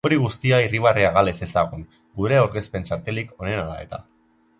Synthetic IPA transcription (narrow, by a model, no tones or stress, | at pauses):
oɾiɣ̞ust̪iairiβ̞areaɣale̞sesaɣ̞uŋ | ɡuɾe̞oɾɣe̞spe̞nt͡ʃaɾt̪e̞liko̞ne̞nala̰e̞̰t̪a̰